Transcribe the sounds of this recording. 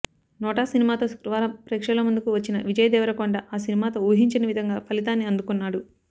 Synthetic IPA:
nɔːʈaːsinimaːt̪o̞ːskɾuʋaːɾɐmpɾɛːkʂɐloːmund̪ukuʋɐt͡ʃːinɐ̰ʋid͡ʒɐjɐd̪ɛːʋɐɾɐkoɳɖɐʔaːsinimaːt̪o̞ːuːɦiɲt͡ʃɐnɐʋid̪ʱɐŋɡaːpɐlit̪aːnːiɐnd̪ukunːaːɽu

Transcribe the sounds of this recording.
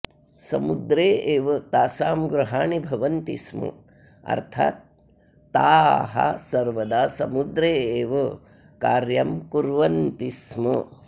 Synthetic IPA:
sɐmud̪ɾeːeːʋɐt̪aːsaːmɡɾuɦaːɳibʱɐʋɐnt̪ḭsmɐ̰ | ɐ̰ɾt̪ʰa̰ːt̪̚ː | aːɦɐ̰sɐɾʋɐd̪aːsɐmud̪ɾeːeːʋɐ | kaːɾjɐmkuɾʋɐnt̪ismɐ

